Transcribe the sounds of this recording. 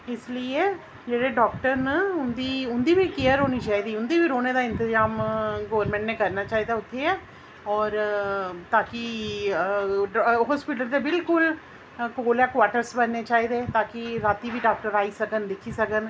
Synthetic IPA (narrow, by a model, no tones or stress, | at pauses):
ɪslie | d͡ʒeɽeɖɔːkʈəɾnəʊnd̪iʊnd̪ibʱikijəɾːoːnit͡ʃaːid̪iːʊnd̪ibʱiɾoːned̪aɪ̃nt̪ɪzaːmɡoʋəɾmɛ̃ːɳʈnẽkɐɾnat͡ʃaːɦid̪aʊt̪ʰːeɛː | ɔːɾt̪aːki | ɦɔːspɪʈəɾt̪ebɪlkʊl | koːlɛkʋaːɾʈəɾsbənːet͡ʃaːid̪eːt̪aːkiɾaːt̪ibʱiɖaːk̚ʈəɾaːisɐkənd̪ɪkʰisəkən